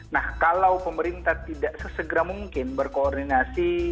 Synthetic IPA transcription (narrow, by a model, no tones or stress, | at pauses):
nahkalawpəməɾint̪at̪idaʔsəsəɡəɾamuŋkɪnbərkoːrdinasi